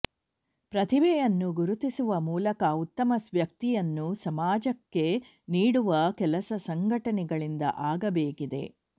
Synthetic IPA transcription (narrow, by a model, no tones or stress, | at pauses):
pɾɐt̪ʰibɛjɐnːuɡuɾut̪isuʋɐmuːlɐkɐut̪ːɐmɐsʋjɐkt̪ijɐnːusɐmaːd͡ʒɐkːe̞ | niːɽuʋɐkɛlɐsɐsɐŋɡʱɐʈɐnɛɡɐɭind̪ɐ̰ʔaːɡɐbeːkid̪e̞̰